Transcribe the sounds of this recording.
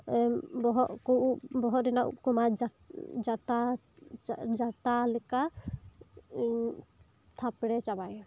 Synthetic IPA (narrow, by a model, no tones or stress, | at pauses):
bɔɦɔʔkuʔubɔɦɔʔɾɛnaʔṵkɔmad͡ʒa | d͡ʒat̪a | d͡ʒat̪alɛka | t̪ʰapɽɛt͡ʃabajɔ